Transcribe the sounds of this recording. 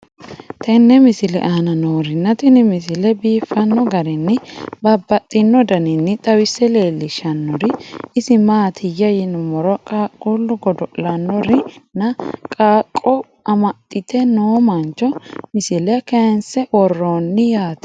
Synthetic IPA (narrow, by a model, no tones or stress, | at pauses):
t̪ʰɛnːɛmɪsɪlɛ̰ʔɐnɐnoːɾɪnːɐt̪ɪnɪmɪsɪlɛbiːfːɐnːɔɡɐɾɪnːɪbɐbːɐt̪ʼːɪnːɔd̪ɐnɪnːɪt̪ʼɐwɪsːɛleːlːɪʃɐnːɔɾɪɪsɪmaːt̪ʰɪjɐjɪnʊmɔɾɔkʼaːkʼːulːʊɡɔd̪ɔʔlɐnːɔɾɪnɐkʼaːkʼːɔ | ɐmɐt̪ʼːɪt̪ɛnoːmɐnt͡ʃːɔmɪsɪlɛkɛnsɛʔɔrːonːɪjaːt̪